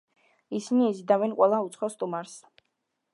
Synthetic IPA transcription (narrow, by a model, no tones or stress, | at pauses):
isiniːzid̪avɛnqʼwɛlˠaut̪sʰχɔst̪ʼumaɾs